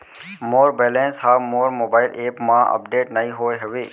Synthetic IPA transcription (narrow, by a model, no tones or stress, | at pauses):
moːɾbeːlẽːnsɦaːʋmoːɾmoːbaːɪleːpmãːɐ̰p̚ɖeːʈnɐɦĩɦoːeɦɐʋeː